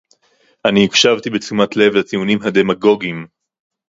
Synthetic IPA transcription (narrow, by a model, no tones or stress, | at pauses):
ʔaniikʃavt̪ibet͡sumat̪le̞vlatiunimɦad̪e̞maɡo̞ɡim